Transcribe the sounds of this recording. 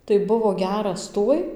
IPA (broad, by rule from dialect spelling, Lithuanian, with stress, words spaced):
tɐɪ ˈbʊʋoː ˈɡʲæːrɐs ˈtuɔj